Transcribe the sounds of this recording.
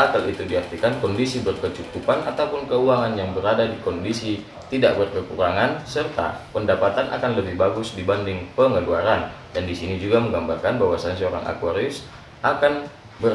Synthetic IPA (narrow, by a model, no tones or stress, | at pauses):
akalit̪udiɦart̪ikankɔndisibərkət͡ʃut̪upanat̪aupʊnkəuaŋanjaŋbəɾadadikɔndisi | t̪idaʔbərkəkuɾaŋansərt̪a̰pəndapat̪anʔa̰kanləbɪhbaɡʊsdibandɪŋpəŋəluaɾandandisinid͡ʒuɡaməŋɡambarkanbaɦwasansəoɾa̰ŋʔa̰kuaɾiʊs | ʔakan | bər